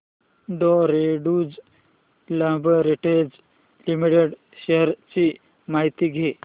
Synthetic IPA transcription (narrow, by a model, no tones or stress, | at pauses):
ɖɔɾeɖud͡z | lə̃bəɾiʈed͡z | limiʈeɽ | ɕeɦəɾt͡ɕi | maɦit̪iːɡʱe